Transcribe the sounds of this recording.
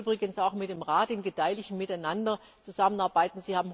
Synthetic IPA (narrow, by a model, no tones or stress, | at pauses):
bʁɪɡənsaʊxmɪt̚d̥eːmʁaːt̚dɪnɡəd̥aɪlɪçn̩mɪtaɪnandɐ | t͡suzamənaɐbaɪtn̩ziːhaːbm̩